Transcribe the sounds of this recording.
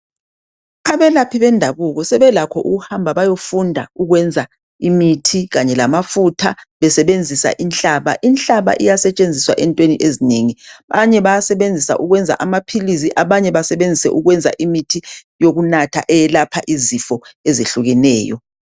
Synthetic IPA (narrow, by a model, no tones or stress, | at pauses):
aβɛlapʰiβɛndʱaβuɣɔsɛβɛlakʰɔʔṵɣuhambʱaβajofundʱa̰uɣwɛnd͡zʱa | imitʰiɣaɲɛlamafutʰaβɛsɛβend͡zʱisa̰ʔinɬʼaːβa̰ʔinɬʼaβa̰ʔijasɛt͡ʃʼend͡zʱiswa̰ʔɛntʼweniʔezineŋiβaɲɛβajasɛβend͡zʱisa̰ʔuɣwɛnd͡zʱa̰ʔamapʰiliz̬iʔaβaɲɛβasɛβend͡zʱisɛ̰ʔuɣwɛnd͡zʱa̰ʔimitʰijoɣunatʰa̰ʔɛjɛlapʰaʔizifɔezeɬuɣɛnɛːjɔ̰